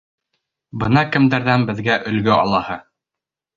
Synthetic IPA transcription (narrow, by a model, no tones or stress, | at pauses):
bɤnɑkɘ̆md̪æɾðænbɘ̆ðɡæʔɵ̆lɡɘʔɑ̰lˠɑhɤ